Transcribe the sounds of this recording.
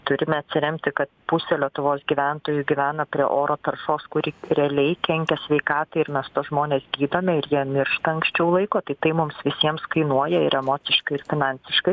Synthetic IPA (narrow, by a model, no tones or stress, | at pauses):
t̪ʊɾʲɪmʲɛɐt̪ʲsʲɪɾʲɛmʲt̪ʲɪkɐt̪pʊsʲɛlʲiɛt̪ʊʋoːsɡʲiːʋʲænt̪oːjʊɡʲiʋʲæːnɐpʲɾʲiɛ̰ʔoːɾoːt̪ɐrʃoːskʊɾʲiɾʲɛlʲɛɪkʲɛŋʲkʲɛsʲʋʲɛɪkɑːt̪ɐɪɪɾmʲɛst̪oːʒmoːnʲeːsɡʲiːd̪oːmʲɛɪɾjiɛmʲɪɾʃt̪ɐɐŋksʲt͡ʃʲɛʊlˠɐɪkoːt̪ɐɪt̪ɐɪmʊmsʋʲɪsʲiɛmskɐɪnuɔjɛɪɾɛmoːt͡ssʲɪʃkɐɪɪɾfʲɪnɑnʲsʲɪʃkɐɪ